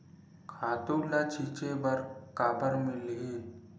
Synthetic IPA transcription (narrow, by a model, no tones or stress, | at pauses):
kʰat̪ulat͡ɕʰit͡ɕebəɾkabəɾmilɦiːn